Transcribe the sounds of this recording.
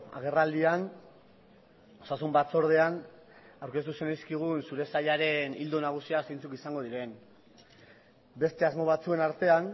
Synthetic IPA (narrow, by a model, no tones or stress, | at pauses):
a̰ɣ̞e̞rald̪ian | osasumbat͡so̞ɾð̞e̞an | awɾke̞st̪use̞najskiɣ̞unsuɾe̞saʎaɾe̞nild̪unaɣ̞usiase̞jnt͡sukisaŋɡo̞ð̞iɾe̞n | be̞st̪e̞azmo̞β̞at͡sue̞naɾt̪e̞an